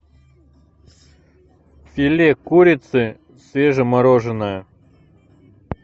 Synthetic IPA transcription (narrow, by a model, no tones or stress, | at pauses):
fʲɪlʲekuɾʲɪt̪sɨ | sʲvʲeʐəmɐɾoʐɨnəjə